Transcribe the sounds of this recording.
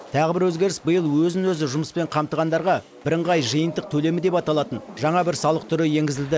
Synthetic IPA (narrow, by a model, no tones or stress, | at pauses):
t̪ʰɑʁɪbɪɾwɵzɡʲe̞ɾɪsbəjəlˠwɵzɪnwɵzɪʒʊməspe̞ɴqʰɑmt̪əʁɑnd̪ɑɾʁɑ | b̥ɪɾəɴʁɑjʒəjənt̪əq̚t̪ʰɵle̞mɪd̪e̞pɑt̪ɑlˠɑt̪ənʒɑɴɑbɪɾsɑlˠəq̚t̪ʰʏɾɪje̞ŋɡʲɪzɪld̪ɪ